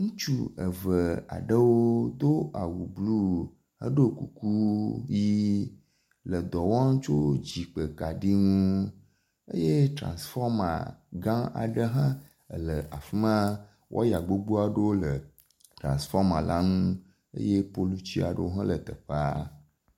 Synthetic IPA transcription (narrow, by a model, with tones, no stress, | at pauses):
ŋũ˦t͡ʃu˦ə̰˨və˨a̰˨ɖə˦wo˦d̪o˦ʔa˨wu˨blu˦ | ə˦ɖo˦ku˨ku˦ji˦ | lə˨d̪ɔ˨wɔ˦ŋ̩˦t͡ʃo˦d͡ʑi˨k͡pə˨ka˨ɖi˦ŋũ˦ | ḛ˦je˦t̪ɾã̰˨nsfɔ˦ma̰˨ɡã˦a̰˨ɖə˦ɦã˦˨ | lə˨ʔa˨fi˦mã˦ | wʔɔ̰˦ja˨ɡ͡bo˦ɡ͡bu˦a˨ɖə˦wo˦lə˨ | t̪ɾã̰˨sfɔ˦ɾmã˨lʔa˦ŋũ˦ | ḛ˦je˦po˦lu˦t͡ɕi˦a˨ɖə̰˦wo˦ɦã˦lə˨t̪ə˨ɸa˦